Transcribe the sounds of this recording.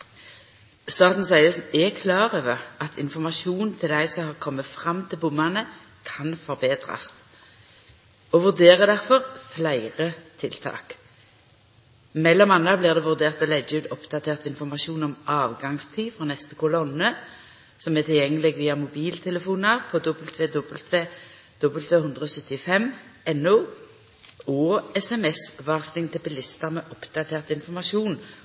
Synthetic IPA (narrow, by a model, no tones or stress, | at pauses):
st̪ɑːt̪n̩sæɪəsɛkʰlɑːʁøːʋəʁɑt̪ʰɪnfɔmɑʃuːnnt̪ʰɪld̪æɪsɔmhɑːʁkʰɔmːəfʁɑmːt̪ʰɪlbʊmːɑnə | kʰɑnfɔʁbeːd̪ʁɑ̰s | oʋʉʁd̪eːʁəd̪æʁfɔʁflæɪʁət̪ʰɪlt̪ʰɑ̰ːk | mɛlːɔmɑnːɑbliːʁd̪ɛːʋʉʁd̪eːʁt̪ɔlɛd͡ʒʉːd̪ɔpd̪̥ɑt̪ʰeːʁt̪ɪnfɔʁmɑʃuːnɔmʔɑːʋɡɑŋst̪ʰiːfʁoːnɛst̪əkʊlɔnːə | sɔmɛt̪ʰɪljɛŋːəlɪɡʋiːɑmʊbiːlt̪ʰɛləfuːnəʁpʰɔd̪ɔbəlt̪ʰʋeːd̪ɔbəlt̪ʋe | d̪̥ɔbəlt̪ʰʋeːhʉnd̪ʁəɔːsœt̪ːɪfɛmɛnːoː | ɔːɛsɛmɛsʋɑːʁst̪ɪŋt̪ʰɪlpɪlɪst̪əʁmɛːʔɔpd̪ɑt̪ʰeːʁt̪ɪnfɔʁmɑʃuːn